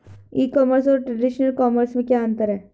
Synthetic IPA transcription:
iːkɔːməɾs̬ɔːɾʈɾeɖiʃnəlkɔːməɾsmẽkjaənt̪əɾɦɛː

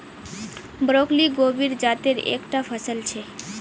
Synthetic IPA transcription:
bɾokliɡobiɾd͡ʑat̪eɾḛkʈapʰəsəlt͡ɕʰe

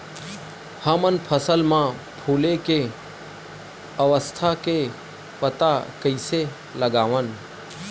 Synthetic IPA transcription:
həmənpʰəsəlmãpʰuːleke | əʋəst̪ʰake | pət̪akəise | ləɠaːʋən

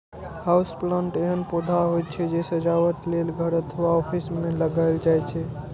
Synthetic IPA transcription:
hausplãɳʈeɦənpod̪ʱaɦot̪̚t͡ʃʰɛd͡ʒesəd͡ʒawəʈlelɡʱəɾət̪ʰəwaɔpʰismeləɡaɪld͡ʒajt͡ʃʰɛ

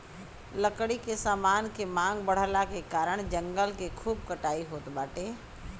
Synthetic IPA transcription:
ləkɽikesaːmaːnkemãːŋɡbəɽ̤əlakekaːɾəɽ̃d͡ʒə̃ŋɡəlkekʰuːbkəʈaːiɦoːt̪baːʈeː

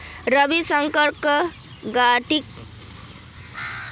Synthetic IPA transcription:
ɾʌbisʌŋkəɾk | ɡaʈik̚

